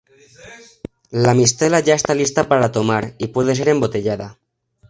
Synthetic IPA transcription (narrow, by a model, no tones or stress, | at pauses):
lamist̪elaʝae̞st̪alist̪apaɾat̪omaɾipwe̞ð̞ese̞ɾe̞mbo̞t̪e̞ʎaða